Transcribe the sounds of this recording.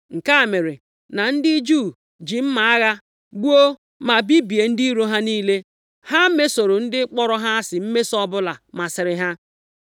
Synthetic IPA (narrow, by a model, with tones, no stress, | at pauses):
ŋ̩˨ka˦˨me˨ɾe˨ | na˨n̩˦dɪ˦d͡ʒu˦˨ | d͡ʒi˨m̩˦ma˨a˦ɣa˦ | ɡ͡bu˦o˦ | ma˨bi˦bi˨e˨n̩˦di˦ɾo˦ɦa˦niː˦le˦ | ha˦me˦so˨ɾo˨n̩˦dɪ˦k͡pɔ˦ɾɔ˦ɦa˦a˦sɪ˨m̩˦me˦sɔ˦bʊ˦la˨ma˨sɪ˨ɾɪ˨ɦa˦